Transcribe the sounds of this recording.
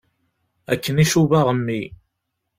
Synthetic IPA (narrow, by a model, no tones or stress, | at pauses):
æ̰kːəniʃuvaʁəmːi